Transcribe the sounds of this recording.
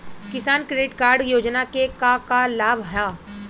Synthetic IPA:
kɪsaːnkɾeːʈkaːɾɖjoːd͡ʒnakekakalaːbɦɐjaː

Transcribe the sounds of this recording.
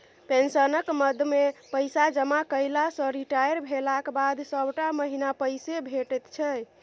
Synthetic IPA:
pensənəkməd̪ʱmepəɪsad͡ʒəmakəɪlasə̃ɾiʈajəɾbʱelakbad̪səbʱʈaməɦinapəjsebʱeʈət̪t͡ʃʰɛ

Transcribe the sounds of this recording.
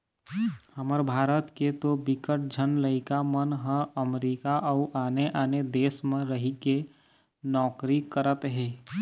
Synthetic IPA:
həməɾbʱaːɾət̪ket̪obɪkəʈ̚d͡ʒʱənləɪkamənɦə̃əmɾiːkaʔəʊʔaːneʔaːned̪eːsmẽɾəɦike | nɔːkɾikəɾət̪ɦɛː

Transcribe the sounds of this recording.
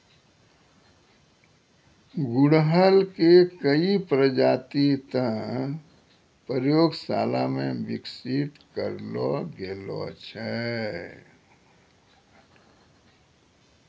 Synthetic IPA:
ɡʊɽɦəlkekəipɾəd͡ʒaːt̪it̪ə̃ | pəɾjoːɡsaːlamẽbɪksit̪kəɾlɔɡelɔ̰t͡ʃʰɛ

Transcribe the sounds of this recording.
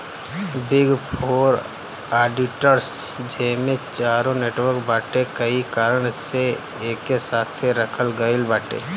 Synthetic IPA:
bɪɡpʰoːɾ | aːɖɪʈəɾsd͡ʒeːmẽt͡ʃaːɾõneːʈwəɾkbaːʈekɐikaːɾəɽ̃se | eːkːesaːt̪ʰːeɾɐkʰəlɡəɪlbaːʈḛː

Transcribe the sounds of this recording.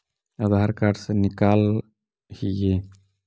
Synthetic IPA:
əd̪ʱaɾkaɾsenikaːl | hije

